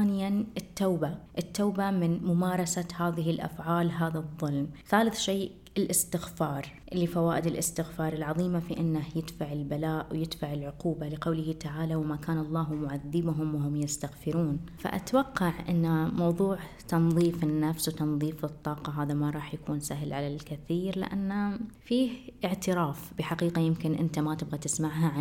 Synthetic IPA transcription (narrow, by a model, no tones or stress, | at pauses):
aːnɪjanʔɪt̪ːaːbaʔɪt̪ːaːbamɪnmʊmaːɾˤɑsahaːðɪɦɪlʔa̰fʕaːlɦaːðaðˤːʊlmθaːlɪθʃeːʔ | ɪlʔɪst̪ɪxfɑːɾˤʔɪlːifawaːʔɪd̪ɪlʔɪst̪ɪxfɑːɾˤɪlʕɑðˤiːmafiʔɪnːahjɪd̪faʕɪlbalaːʔwjɪd̪faʕɪlʕʊquːbalɪqawlɪhɪt̪aʕaːlawmakaːnɑlˤːɑːɦmʊʕaðːɪbʊɦʊmwɦʊmjɪst̪aɣfɪɾuːnfa̰ʔa̰t̪awɑqːɑʕʔɪ̰nːamɑwðˤuːʕ | t̪ɑnðˤiːfɪnːafswt̪ɑnðˤiːfɨt̪ˤːɑːqɑɦaːðamaɾˤɑːħjakʰuːnsaɦlʕalalkɪθiːɾlɪ̰ʔa̰nːafiːhʔɪʕt̪ɪɾaːfb̥ɪħaqiːqajɪmkɪnʔɪ̰nt̪amat̪ɪbɣat̪ɪsmaʕɦaʕa